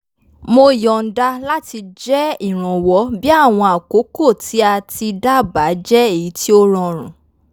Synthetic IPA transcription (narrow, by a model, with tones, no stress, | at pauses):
mo˧˨jɔ˨n̩˨da˧la˦ti˧d͡ʒɛ˦i˦˨ɾ̃ã˨wɔ˨˦bi˦a˦˨w̃ɔ̃˧a˨ko˨˦ko˦˨ti˨˦a˧ti˧da˦˨ba˨˦d͡ʒɛ˦e˦˨ji˨˦ti˦o˦ɾ̃ɔ̃˧ɾ̃ũ˨